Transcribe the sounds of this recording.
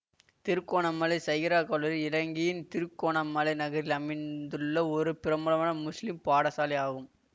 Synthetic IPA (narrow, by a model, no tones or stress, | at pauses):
t̪ɪɾɯkːoːɳɐmːɐlɐɪsɐjɪɾaːkɐlɐɾɪlɐŋɡɪjɪnt̪ɪɾɯkːoːɳɐmːɐlɐɪnɐɣɐɾɪlɐmɪnd̪ɯɭːɐɔɾɯpɪɾɐmɯlɐmaːnɐmʊslɪmpaːɽɐsaːlɐjaːɣɯm